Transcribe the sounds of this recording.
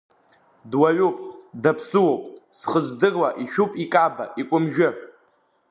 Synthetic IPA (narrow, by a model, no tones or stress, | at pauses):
dwaɥupʼdapʰsɨwowpʼsχəzdɨrwaʔiʃᶣupʼikʼaba̰ʔikʷʼʊmʒᶣʊ